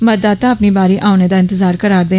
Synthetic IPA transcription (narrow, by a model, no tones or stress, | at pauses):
məd̪aːt̪aəpnibaːɾiʔaːʊned̪aːɪnt̪əzaːɾkəɾaːɾd̪eː